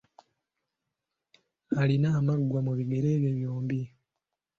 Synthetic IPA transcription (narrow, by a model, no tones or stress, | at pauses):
alinaːmaɡwamuβiɡeɾe̞ːβjeβjoːmbi